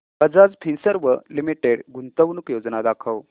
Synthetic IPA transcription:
əd͡zad͡zp̪ʰinsəɾʋəlimiʈeɽɡunt̪əʋnukjod͡znad̪akʰəʋ

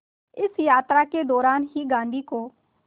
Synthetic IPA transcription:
ɪsjaːt̪ɾaːkeːd̪ɔːɾaːnɦiːɡãːnd̪iːkoː

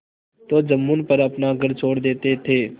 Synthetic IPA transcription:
t̪oːd͡ʒəmːuːnpəɾəpnaːɡəɾt͡ʃʰoːɽd̪eːt̪eːt̪ʰeː

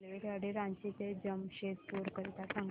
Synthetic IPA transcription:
lʋekeɽiɾãɲt͡ɕit̪ed͡ʑəmɕet̪̚puːɾkəɾit̪asaŋɡ

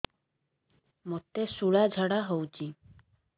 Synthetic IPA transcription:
mot̪ːesuɽad͡ʑʱɔɽaɦowt͡ɕʰi

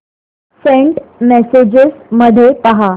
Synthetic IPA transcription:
sẽɳʈmesed͡ʑəsməd̪ʱːjepaɦa

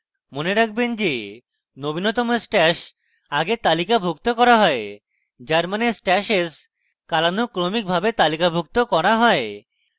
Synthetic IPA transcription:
moneɾak̚ʰbend͡ʒe | nobinɔt̪ɔmesʈɛʃ | aɡet̪alikabʱukt̪okɔɾaɦɔe | d͡ʒaɾmanesʈɛʃes | kalanukɾomik̚bʱabet̪alikabʱuk̚t̪okɔɾaɦɔe

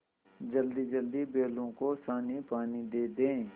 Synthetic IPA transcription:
d͡ʒəld̪id͡ʒəld̪ibeːlõkosaːnipaːnid̪eːd̪ẽː

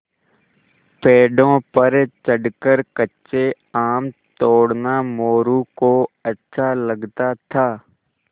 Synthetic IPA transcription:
peːɖõpəɾt͡ʃəɖkəɾkətːʃe | aːmt̪oːɽnamoːɾukoɐtːʃʰaləɡt̪at̪ʰaː

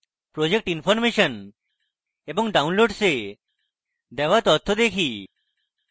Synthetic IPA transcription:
pɾod͡ʒek̚ʈinpʰɔɾmeʃən | ebɔŋɡɖaunloɖse | d̪eʋat̪ɔt̪ʰːɔd̪ekʰiː

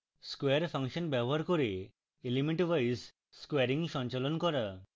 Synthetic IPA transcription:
skweɾpʰaŋʃɔnbjɛbɔɦaɾkɔɾe | elimiʈʋajs | skweɾiŋʃɔ̃nt͡ʃalɔnkɔɾa

